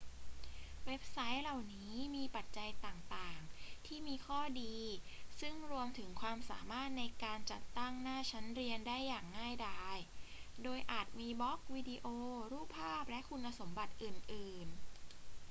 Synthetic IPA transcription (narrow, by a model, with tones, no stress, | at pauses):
we˦˥p̚sa˦˥jla˨˩wniː˦˥miː˧pa˨˩t̪̚t͡ɕa˧jt̪aː˨˩ŋt̪aː˨˩ŋt̪ʰiː˥˩miː˧kʰɔː˥˩diː˧sɯ˥˩ŋɾu˧əmt̪ʰɯ˩˦ŋkʰwaː˧msaː˩˦maː˥˩t̪̚na˧jkaː˧nt͡ɕa˨˩t̪ːa˥˩ŋnaː˥˩t͡ɕʰa˦˥nɾi˧əndaː˥˩jːaː˨˩ŋːaː˥˩jdaː˥˩jdoː˧jʔaː˨˩t̪̚miː˧bɔ˦˥k̚wiː˧di˧ʔoː˧ɾuː˥˩pʰːaː˥˩p̚lɛ˦˥ʔkʰu˧nːa˧so˩˦mba˨˩t̪̚ʔɯː˨˩nʔɯː˨˩n